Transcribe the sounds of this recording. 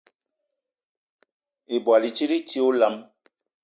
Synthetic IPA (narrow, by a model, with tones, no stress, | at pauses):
e˨bwa˨li˨t͡ʃi˦ɾi˦ti˦o˦la˦m